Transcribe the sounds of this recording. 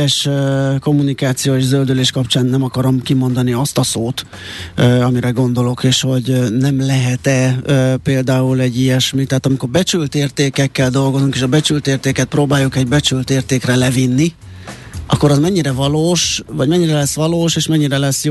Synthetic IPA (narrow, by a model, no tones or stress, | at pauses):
ɛʃko̞mːunikaːt̪sijoːeːʒzøld̪yleːʃkɒpt͡ʃaːnːɛmɒkɒɾo̞mkimo̞nd̪ɒniɒst̪ɒsoːt̪ː | ɒmiɾɛɡo̞nd̪o̞lo̞keːʃho̞ɟnɛmlɛɦɛt̪ɛpeːld̪aːulɛɟːijɛʃmit̪ɛɦːt̪ɒmiko̞rbɛt͡ʃylt̪eːrt̪eːkɛkːɛld̪o̞lɡo̞zuŋkeːʃɒbɛt͡ʃylt̪eːrt̪eːkɛt̪̚proːbaːjukɛɟbɛt͡ʃylt̪eːrt̪eːkrɛlɛvinːi | ʔɒ̰kːo̞ɾɒzmɛɲːiɾɛvɒloːʃvɒɟmɛɲːiɾɛlɛsʋɒloːʃeːʃmɛɲːiɾɛlɛsːjo